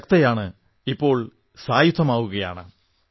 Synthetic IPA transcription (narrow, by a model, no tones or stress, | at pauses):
kt̪ɐjaːɳɨ | ipːo̞ːɭ | saːjut̪ʰːɐmaːʋuɣɐja̰ːɳɨ